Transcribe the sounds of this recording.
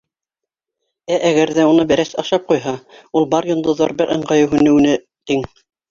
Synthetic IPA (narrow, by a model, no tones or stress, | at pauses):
æʔæɣæɾðæunɤbæɾæsɑʃɑp̚qujɦɑulˠbɑɾjŏnd̪ŏðɑɾbɘɾʔɤ̆ɴɢɑjɤwɦʉ̆nɘ̆wnɘ | t̪iŋ